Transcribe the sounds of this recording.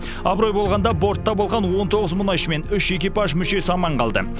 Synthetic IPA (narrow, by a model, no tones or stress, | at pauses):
ɑbɾo̞jbo̞lˠʁɑnd̪ɑbo̞ɾt̪ːɑbolˠʁɑnwo̞nt̪ʰo̞ʁəzmʊnɑjʃəme̞nʏʃekʲepɑʒmʏʃe̞sɑmɑɴqʰɑlˠd̪ə̰